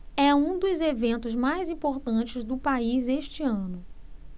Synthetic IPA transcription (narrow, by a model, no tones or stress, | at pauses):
ɛũd̪ʊzevẽnt̪ʊzmajzĩpoɾt̪ɐ̃t͡ʃɪzd̪ʊpaizeʃt͡ʃɪɐ̃nʊ